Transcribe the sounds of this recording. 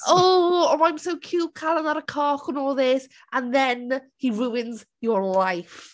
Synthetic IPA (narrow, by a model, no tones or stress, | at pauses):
oːɔmaj̃msowkʰuːkʰalˠənaɾəkʰɔːχənɔːðɪs | ãnðɛnhiɹuːɪnz | jɔɹlajf